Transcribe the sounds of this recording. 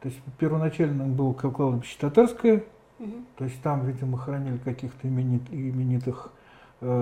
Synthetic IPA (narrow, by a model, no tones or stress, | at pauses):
t̪oɪsʲpʲɪrvənɐt͡ɕælʲnəmbɨlˠəkɐklˠalˠəbʲɪɕːɪ̥t̪ɐt̪arskəjə | t̪oɪsʲtʲt̪amvʲidʲɪməxɾɐnʲilʲɪkɐkʲixt̪əɪmʲɪnʲit̪ɪmʲɪnʲit̪ɨx